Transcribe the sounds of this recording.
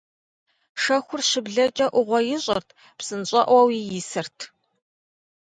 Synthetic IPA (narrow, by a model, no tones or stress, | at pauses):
ʂɐxʷʊrʃɨbɮɐt͡ʃʼɐʔʷʊʁʷɔjɪɕʼɐrtʰ | psɨnɕʼɐʔʷɐwijɪsɨrtʰ